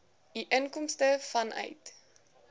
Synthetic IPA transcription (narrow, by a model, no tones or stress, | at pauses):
iʔənkɔmstəfɐnʔœ̰jt